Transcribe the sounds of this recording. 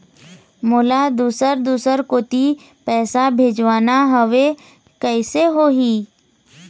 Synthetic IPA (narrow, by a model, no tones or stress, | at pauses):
moːlad̪uːsəɾd̪uːsəɾkoːt̪i | pɛːsabʱeːd͡ʒʋaːnaɦəʋe | kəɪseɦoːɦiː